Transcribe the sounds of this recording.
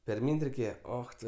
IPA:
pʲɛrʲˈmʲiːnʲtʲ rʲɛɪˈkʲeːjɛ ˈoːx tʊ

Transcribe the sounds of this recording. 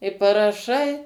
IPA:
ɪ pɐrɐˈʃɐɪ

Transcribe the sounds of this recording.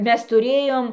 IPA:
ˈmʲɛs tʊˈrʲeːjoːm

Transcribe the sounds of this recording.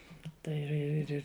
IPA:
ˈtɐɪ ɪr ɪr ɪr ˈɪr

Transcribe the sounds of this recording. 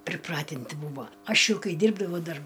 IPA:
pʲrʲɪˈprɑːtʲɪnʲtʲɪ ˈbuːʋoː ˈɐʃ ˈjɛʊ ˈkɐɪ ˈdʲiːrbdɐʋɐʊ ˈdɐr

